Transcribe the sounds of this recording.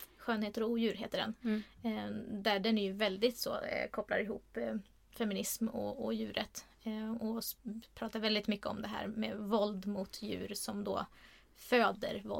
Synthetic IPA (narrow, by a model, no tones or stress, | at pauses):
ɧøːnheːt̪əɾɔuːjʉ̟ːɾɦḛːt̪əɖɛ̰n | d̪æɖɛnæjɵvɛld̪ɪt̪so̰ːkʰɔpla̰ɾɪɦṵːpː | fɛmɪnɪsmɔ̰ɔjʉ̟ːɾʔət̪ | ɔpʰɾɑːt̪aɾvɛld̪ɪt̪mʏkːəɔ̰md̪ɛɦæ̰ːɾmḛvɔld̪mʊt̪ʰjʉ̟̰ːɾsɔmd̪o̰ː | føːd̪ə̰ɾvɔ̰